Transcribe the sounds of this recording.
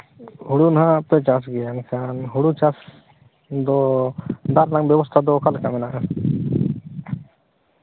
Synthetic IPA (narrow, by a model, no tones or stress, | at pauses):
huɽunaɦãt̪ɛt͡ʃasɡɛjankʰanɦuɽut͡ʃas | d̪ɔ | d̪aɾnaŋbjɛbɔst̪ʰad̪ɔkalkamɛnaʔa